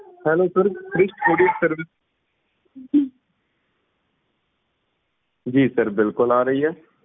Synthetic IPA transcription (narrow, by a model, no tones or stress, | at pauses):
hɛːloːsəɾkɾɪʃʈoːɖiəʈsəɾʋɪs | d͡ʒiːsəɾbɪlkʊlaːɾəɦiɦɛː